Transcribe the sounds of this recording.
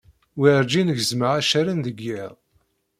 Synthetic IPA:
wiɾd͡ʒinəʝzməʕaʃæɾənðəɡːiðˤ

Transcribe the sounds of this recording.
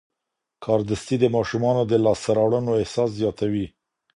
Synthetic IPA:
kʰɑɾd̪əst̪id̪əmɑʃumɑnod̪əlɑst̪aɾɑwɽənoɪhsɑs̬zjɑt̪awi

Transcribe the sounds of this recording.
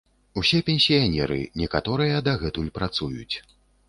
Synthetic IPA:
usʲɛpʲɛnʲsʲijanʲɛɾɨ̰nʲɛkat̪ɔɾɨjɐd̪ɐɣɛt̪ulʲpɾat̪sujut͡sʲ

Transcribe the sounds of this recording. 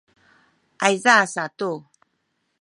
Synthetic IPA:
ʔajzasatu

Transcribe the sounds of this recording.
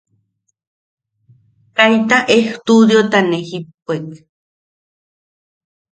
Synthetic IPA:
kajt̪aʔeht̪ud̪jot̪anehip̚ek

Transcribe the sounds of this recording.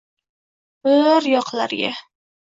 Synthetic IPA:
bəɾjɒqlˠaɾɡʲa

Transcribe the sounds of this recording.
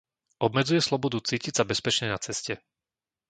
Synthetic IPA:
ʔɔbmɛd͡zujɛslɔbɔd̪ut͡siːcicsabɛspɛt͡ʃɲɛnat͡sɛscɛ

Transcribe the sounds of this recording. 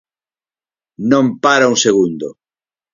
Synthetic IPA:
nõmpaɾaũŋseɣund̪o

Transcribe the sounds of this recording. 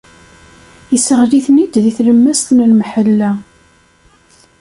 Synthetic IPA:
jəsəʁliθnid̪ðiθləmːæst̪nəlmħəlːæ

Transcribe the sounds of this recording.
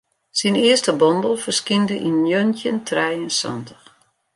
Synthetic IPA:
sinɪəstəbɔndəlˠfərskindəʔinjøntjəntʰrɛjənsɔ̰ntəx

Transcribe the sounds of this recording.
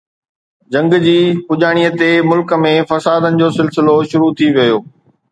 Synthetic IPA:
d͡ʑɐ̃ŋɡd͡ʑiːpʊʄaːɽ̃ijət̪emʊlkəmẽfɐsaːd̪ənɪ̆d͡ʑoːsɪlsɪloʃʊɾut̪ʰiʋɐjoː

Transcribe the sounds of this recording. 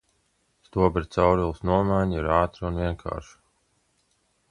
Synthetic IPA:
st̪uɔbɾt̪sawɾilˠsnuɔmajɲiɾaːt̪ɾunviɛnkʰa̰ːɾʃu̥

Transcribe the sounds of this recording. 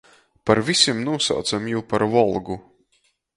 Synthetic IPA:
paɾvʲisʲimnuɔsa̰wt̪samjuːpaɾvɔlˠɡu

